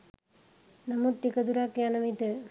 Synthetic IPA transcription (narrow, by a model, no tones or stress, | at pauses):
nɐmut̪ːikɐd̪uɾaːkːjanɐmit̪ɯ